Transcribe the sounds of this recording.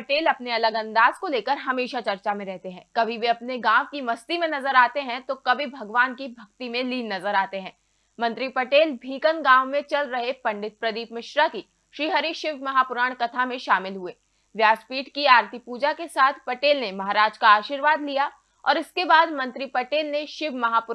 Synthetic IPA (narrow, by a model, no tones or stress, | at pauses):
pɐʈeːlɐpneɐləɡɐ̃nd̪aːzkoleːkəɾɦɐmeːʃat͡ʃɐɾt͡ʃamẽɾɛɦt̪eɦɛ̰̃ːkɐbʱibʱiɐpneɡãːʋkimɐst̪imẽnɐzəɾaːt̪eɦɛ̃t̪okɐbʱibʱɐɡʋaːnkibʱɐkt̪imẽliːnːɐzəɾaːt̪eɦɛ̃ː | mɐ̃nt̪ɾipɐʈeːlbʱiːkənɡãːʋmẽt͡ʃɐlɾɐɦepɐ̃ɳɖɪt̪̚pɾɐd̪iːpmɪʃɾaki | ʃɾiːɦəɾiʃɪbʱmɐɦaːpʊɾaːɽ̃kɐt̪ʰamẽʃaːmɪlɦueː | ʋjaːspiːʈkiaːɾt̪ʰipuːd͡ʒakesaːt̪ʰpɐʈeːlnemɐɦaːɾaːd͡ʒkaaːʃiːɾʋaːd̪lija | ɔ̰ːɾɪskebaːd̪mɐ̃nt̪ɾipɐʈeːlneʃɪbʱmɐɦaːpʊɾ